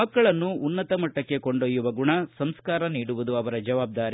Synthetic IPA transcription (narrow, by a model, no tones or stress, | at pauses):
ɐkːɐɭɐnːuːnːɐt̪ɐmɐʈːɐkːe̞ko̞ɳɖojːuʋɐɡuɳɐsɐmskaːɾɐniːɽuʋud̪uɐʋɐɾɐd͡ʒɐʋaːb̚d̪aːɾi